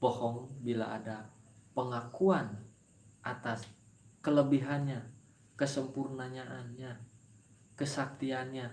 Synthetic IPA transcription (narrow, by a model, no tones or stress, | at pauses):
pəhɔŋbilaʔadapəŋakuan | ʔat̪as | kələbiɦanɲa | kəsəmpurnaɲaʔanɲa | kəsak̚t̪ianɲa